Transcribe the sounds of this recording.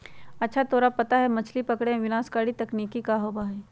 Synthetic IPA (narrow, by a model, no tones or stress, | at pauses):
ɐtːʃʰat̪oːɾapɐt̪aɦɛmɐt͡ʃʰlipɐkɽẽʋɪnaːskaːɽit̪ɐkniːkikaɦobaːɦeː